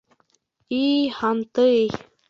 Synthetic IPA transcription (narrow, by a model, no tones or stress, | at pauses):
ihant̪ɨj